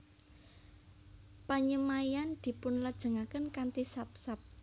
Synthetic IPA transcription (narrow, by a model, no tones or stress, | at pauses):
paɲəmaiand̪̥i̤pʊnləd̥ʒ̥ə̤ŋakənkant̪isap̚sap̚